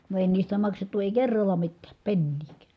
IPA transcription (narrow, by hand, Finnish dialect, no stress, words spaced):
no eˑi niːstæ mɑksetːu eˑi kerːɑlːɑ mitːæːp penːiːkæ̥ː